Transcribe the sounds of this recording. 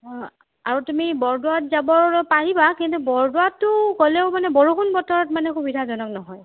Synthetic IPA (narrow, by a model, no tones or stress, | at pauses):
aɹutumibɔɹduwatzabɔɹpaɹibakintubɔɹdʊatːʊkɔlɛʊmanɛbɔɹuxunbɔtɔɹɔt̚manɛxubidʱazɔnɔknɔɦɔj